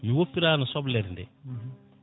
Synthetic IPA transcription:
miwopːiɾaːnɐsɔblɛɾndɛ

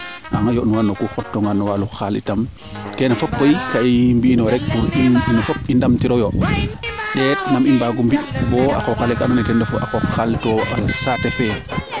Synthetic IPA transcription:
ʔa̰ŋajɔʔnuwanːɔkuxɔtːɔŋɡanɔwaluxalḭtam | kɛnafɔpkɔikaimbinɔɾɛk̚buinɔfɔpindamtiɾɔjɔ | ɗɛtnamimbaɡumbibɔa̰kɔkalɛkananɛtɛndɛfuʔa̰kɔxaltɔasapɛfɛ

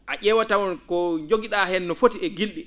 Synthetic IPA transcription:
ʔaʔɛwatawɔnkɔd͡ʒoɡiɗahɛnːɔfotiɛɡilɗi

